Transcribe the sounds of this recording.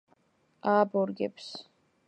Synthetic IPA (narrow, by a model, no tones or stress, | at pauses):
aːbɔɾɡɛ̰ps